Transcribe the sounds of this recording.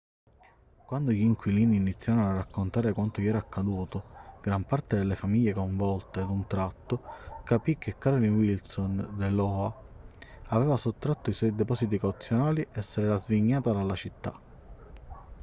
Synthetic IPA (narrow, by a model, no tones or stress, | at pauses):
kwand̪ojiŋkwiliːniːnit̪sːjaɾnarːakːont̪aːɾekwant̪ojɛːɾaːkʰːad̪uːt̪oɡ̥ɾampart̪ed̪elːefamiʎːekoɱvɔlt̪ed̪unt̪ɾat̪ːokapik̟ːekːaɾlinwilsond̪elɔa | avɛːvasot̪ːɾat̪ːoiswɔjd̪ɛpɔsit̪ikawt̪sːjonaːliʔɛsːeɾeɾazviɲːaːt̪ad̪alat͡ʃit̪ːa̰